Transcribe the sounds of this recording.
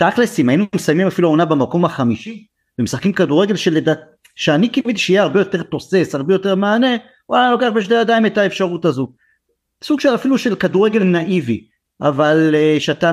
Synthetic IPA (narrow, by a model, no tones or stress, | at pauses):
t̪aklesimainumesajmimafiluonabemako̞mhaχamiʃi | b̥emesχḁkimkaduʁeɡe̞lʃelːedat | ʃeanikimvid̪iʃeijehaʁbe̞jo̞te̞ʁt̪ose̞saʁbe̞jo̞te̞ʁmeane̞ | walalo̞keaχbeʃ̬dejad̪aimetaefʃaʁutazo | suɡʃe̞lafiluʃelkaduʁe̞ɡe̞lnaʔivi | ʔavalʃeat̪a